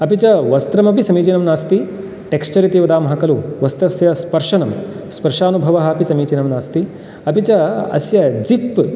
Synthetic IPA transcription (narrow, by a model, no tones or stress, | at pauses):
ɐpit͡ɕɐʋɐst̪ɾɐmɐpisɐmiːt͡ʃeːnɐmnaːst̪i | ʈekst͡ʃɐɾit̪eːʋɐd̪aːmɦɐkɐluːʋɐst̪ɐsjɐspɐɾʂɐnɐm | spɐɾʂaːnubʱɐʋɐɦɐːpisɐmiːt͡ʃeːnɐmnaːst̪i | ɐpit͡ɕɐɐ̰sjɐd͡zip